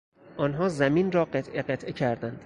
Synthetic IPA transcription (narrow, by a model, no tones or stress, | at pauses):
ʔɒːnɦɒːzæmiːnɾɒːɢet̪ʰʔeɢet̪ʰʔecʰæɾd̪ænd̪̥